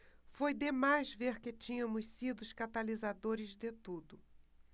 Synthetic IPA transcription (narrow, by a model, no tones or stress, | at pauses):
fojd̪emajzveɾkɪt͡ʃĩɲɐ̃mʊssid̪ʊʊʃkat̪alizad̪oɾɪzd̪et̪ud̪ʊ